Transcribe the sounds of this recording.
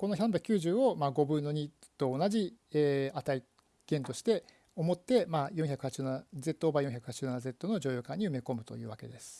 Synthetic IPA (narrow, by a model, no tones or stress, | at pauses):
ko̞no̞çãmbʲjakɯ̟kʲɨːʑɨːo̞maɡo̞bɯ̟̃nːo̞ɲ̟it̪o̞ːnaʑieːat̪ai | ɡ̥ẽ̞nt̪o̞ɕi̥t̪e̞ | omo̞t̪ːe̞majõçakɯ̟hat͡ɕi̥ɨːnanaze̞t̪ːoːbajõçakɯ̟hat͡ɕi̥ɨnanaze̞t̪ːo̞no̞d͡ʑo̞ːjoːkãɲ̟ːiɯ̟me̞ko̞mɯ̟t̪o̞̰jɯ̟ːβake̞̰d̪esɨ̥